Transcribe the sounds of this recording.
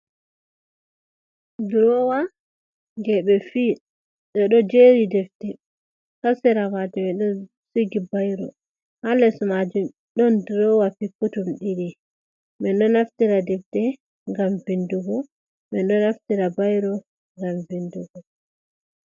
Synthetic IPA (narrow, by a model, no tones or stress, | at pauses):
dɾɔwa | ɡɛɓɛfi | ɓɛɗɔd͡ʒeɾidɛftɛ | kasɛɾamad͡ʒumɛɗɔn | siɡibajɾɔ̰ | halːɛsɔmad͡ʒum | ɗɔndɾɔwafikːutumɗiɾi | mɛnɗɔnaftiɾadɛftɛ | ŋɡamvinduɡɔ | mɛnɗɔnaftiɾabajɾɔ | ŋɡamvinduɡɔ